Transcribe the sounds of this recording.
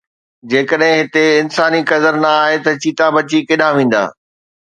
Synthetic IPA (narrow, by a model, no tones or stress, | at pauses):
d͡ʑeːkəɗɦɪ̃ɦɪt̪eɪnsaːnikɐd̪əɾnɐaːɦet̪ɐt͡ɕiːt̪ãbɐt͡ɕikɪɗãʋẽːn̆d̪a̰ː